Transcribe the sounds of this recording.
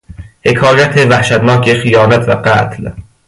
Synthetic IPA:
he̞kʰɒːjæt̪ʰevæhʃæt̪nɒːkʰexijɒːnæt̪ʰvæɢæt̪ʰl

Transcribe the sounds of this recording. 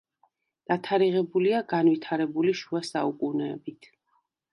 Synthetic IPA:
d̪̥at̪ʰaɾiʁɛbuliaɡanvit̪ʰaɾɛbuliʃuasaukʼunɛːbit̪ʰ

